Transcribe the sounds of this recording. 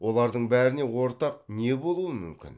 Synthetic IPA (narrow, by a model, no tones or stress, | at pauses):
wʔo̞lˠɑɾd̪əɴbæɾɪne̞wo̞ɾt̪ɑq̚ne̞bo̞lˠuəmʏ̰mkʲɪ̰n